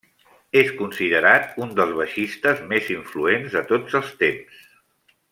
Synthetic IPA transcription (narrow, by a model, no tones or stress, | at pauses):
eskunsiðəɾat̪und̪əlˠzβəʃist̪əzmeziɱfluenzðət̪od͡zəlˠst̪ems